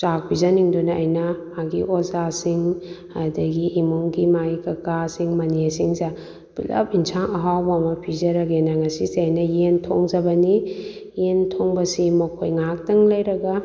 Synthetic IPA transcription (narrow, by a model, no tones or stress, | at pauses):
t͡ʃak̚pʰizɐniŋdunɐːjnɐ | aɡiʔozasiŋ | adɐɡiʔːmuŋɡimajkɐkasiŋmɐniasiŋza | b̥ilɐ̰p̚insʰaŋɐɦawbamɐpʰizɐɾɐɡenɐŋɐsiseɐjnɐjentʰoŋzɐbɐni | jentʰoŋbɐsimɐkʰojŋak̚tɐŋlɐjɾɐɡɐ